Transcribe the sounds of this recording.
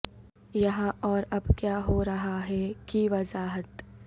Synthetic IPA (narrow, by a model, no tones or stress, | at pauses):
jɐɦãʔɔːɾɐbkjaːɦoɾɐɦaɦɛkiʋɐzaːɦət̪